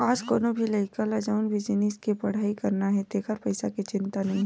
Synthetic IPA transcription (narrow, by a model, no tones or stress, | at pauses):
aːd͡ʒkoːnobʱilɐɪkalad͡ʒaːʊnbʱid͡ʒɪniskipɐɽ̤aːikɐɾnaɦɛt̪eːkʰəɾpɐɪsakit͡ʃɪ̃nt̪anɐɦĩɦɛ̃